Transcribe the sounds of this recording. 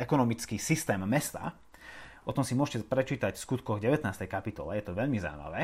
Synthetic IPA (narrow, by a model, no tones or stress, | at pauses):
ɛkɔnɔmit͡skiːsist̪ɛːmːɛst̪a̰ | ʔɔt̪ɔmsimʊɔʃcɛpɾɛt͡ʃiːt̪acfskut̪kɔɣɟɛʋɛt̪naːst̪ɛjkapit̪ɔ̰lɛjɛt̪ɔʋɛʎmiza̰ḭma̰ʋɛː